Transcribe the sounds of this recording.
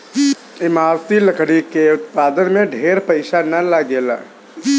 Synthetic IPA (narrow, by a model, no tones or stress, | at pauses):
ɪmaːɾt̪iləkʰɽikeʊt̪paːd̪ənmẽɖʱeːɾpəɪʃanɐlaɡeːla̰